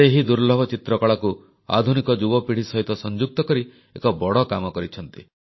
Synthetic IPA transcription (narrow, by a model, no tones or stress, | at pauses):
eɦid̪uɾlɔbʱɔt͡ʃit̪ɾɔkɔɭaku | a̰d̪ʱunikɔd͡ʒubɔpiɽ̤isɔɦit̪ɔsɔnd͡ʒuk̚t̪ɔkɔɾi | ekɔbɔɽɔkamɔkɔɾit͡ʃʰɔnt̪i